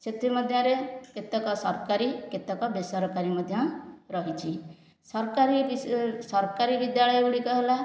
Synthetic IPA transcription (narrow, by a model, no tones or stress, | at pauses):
set̪ʰmɔd̪ʱjɔ̃ɾeket̪ɔkɔsɔɾkaɾiket̪ɔkɔbesɔɾɔkaɾimɔd̪ʱjɔ̃ɾɔɦit͡ʃʰi | sɔɾkaɾiisɔɾkaɾibid̪jaɭɔjɔuɽikɔɦela